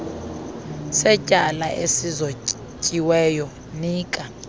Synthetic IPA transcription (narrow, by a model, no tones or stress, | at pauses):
sɛcʼalaʔesizo | cʼiwɛjɔ | niːkʼa